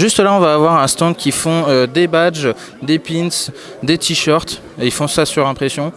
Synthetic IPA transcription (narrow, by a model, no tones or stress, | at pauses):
ʒyst̪əlaɔ̃vaːvwaʁɛ̃st̪ɑ̃d̪kʲifɔ̃ød̪ebad͡ʒ | d̪epins | d̪et̪ʰiʃœʁt̪ | eilfɔ̃sasyʁɛ̃pχesjɔ̃